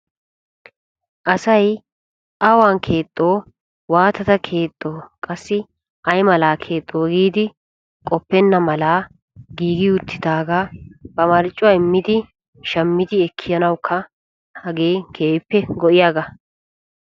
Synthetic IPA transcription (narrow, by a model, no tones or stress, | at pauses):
ʔɐsɐj | ʔɐwaːnkʰe̞ːt̪ʼːo̞ː | waːt̪ɐt̪ɐkʰe̞ːt̪ʼːo̞ːkʼɐsːɪ | ʔɐjmɐlaːkʰe̞ːt̪ʼːo̞ːɡiːd̪ɪ | kʼɔpːɛnːɐmɐlaː | ɡiːɡɪʊt̪ːɪd̪aːɡaːbɐmɐɾt͡ʃʼːʊwɐjmːɪd̪ɪ | ʃɐmːɪd̪ɪɛkʰːɪjɐnɐwkʰːɐ | hɐɡe̞ːkʰe̞ːpːɛɡɔʔɪjaːɡɐ